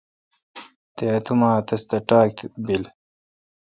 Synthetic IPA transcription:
t̪eɐt̪ʰumaːt̪ɐst̪ɐʈaːk̚t̪bil

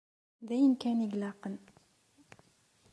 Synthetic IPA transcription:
ðæjənkæniɡlɑqən

